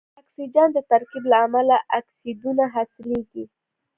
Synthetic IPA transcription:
aksid͡ʒɑnd̪ət̪aɾkiblaːmalaʔaksid̪unaɦasɪleɡi

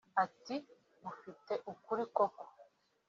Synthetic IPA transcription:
ati | bufite̞ʔukuɾikoko̥

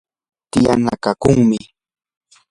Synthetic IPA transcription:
t̪ɪjanakakʊŋmɪ

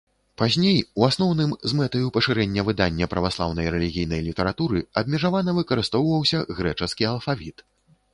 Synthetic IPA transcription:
pazʲnʲejuasnɔwnɨmzmɛt̪ɐjupɐʂɨɾɛnʲːɐvɨd̪anʲːɐpɾɐvaslˠa̰wnɐjɾɛlʲiɣʲijnɐjlʲit̪ɛɾat̪uɾɨɐbʲmʲɛʐavanɐvɨkɐɾɨst̪ɔwvɐwsʲɐɣɾɛt͡ʂɐskʲiɐlˠfavʲit̪

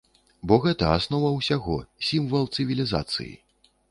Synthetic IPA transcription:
bɔɣɛt̪ɐasnɔvɐwsʲaɣɔsʲimvɐlˠt̪sɨvʲilʲiza̰t̪sɨ̰jḭ

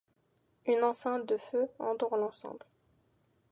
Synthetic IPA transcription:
ynɑ̃sɛ̃t̪̚d̪əføɑ̰̃d̪uʁlɑ̃sɑ̰̃bl

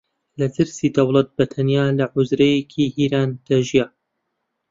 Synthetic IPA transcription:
lɐd̪ɨɾsiːd̪ɐwlˠɐt̪̚bɐt̪ʰɐnjaːlɐʕʊzɾɐjekʰihiːɾaːnd̪̥ɐʒijaː

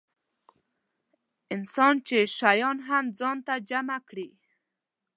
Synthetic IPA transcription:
ɪnsɑnt͡ʃeʃajɑnɦamd͡zɑnt̪ad͡ʒamakɽi

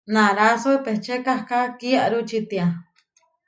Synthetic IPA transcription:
nãɾasuepeht͡ʃekahkakiaɾut͡ʃit̪ia

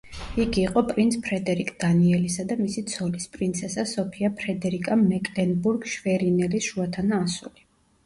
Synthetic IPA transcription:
iɡiːqʼɔpʼɾint̪sʰpʰɾɛd̪ɛɾikʼd̪̥aniɛlisad̪amisit̪sʰɔlispʼɾint̪sʰɛsasɔpʰiapʰɾɛd̪ɛɾikʼamɛkʼlɛnbuɾɡʃvɛɾinɛlisʃuat̪ʰanaːsuli

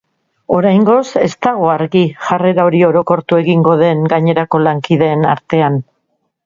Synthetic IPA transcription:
o̞ɾajŋɡo̞se̞st̪aɣo̞aɾɣiʝare̞ɾaoɾio̞ɾo̞ko̞ɾt̪ue̞ɣiŋɡo̞ðe̞ŋɡaɲe̞ɾako̞laŋkiðe̞ːnaɾt̪e̞an

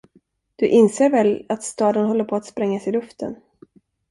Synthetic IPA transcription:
d̪̥ɵʔɪnseːɾvɛlat̪st̪ɑːd̪ənɦɔlːəɾpʰɔat̪spɾɛŋːasɪlɵft̪ʰə̰n

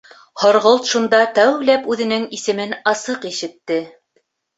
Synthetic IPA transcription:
hŏɾʁolˠt̪ʃund̪ɑt̪æwlæpʉðɘ̆nɘŋisɘ̆mɘnɑsɤqiʃɘ̆t̪ːɘ

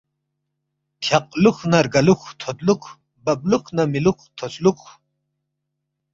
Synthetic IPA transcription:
kʲʰaqʼluxnɐɾɡaluxt̪ʰɔd̪lukʰ | bab̚lukʰnamilukt̪ʰɔt͡slukʰ

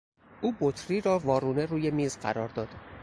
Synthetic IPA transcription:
ʔuːbot̪ʰɾiːɾɒːvɒːɾuːneɾuːjemiːzɢæ̰ɾɒːɾd̪ɒːd̪̥

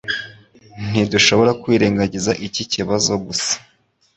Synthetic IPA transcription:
n̥iduʃo̞βo̞ɾakwiːɾeːŋɡaɟizaʔiciciβazo̞ɡusḁ

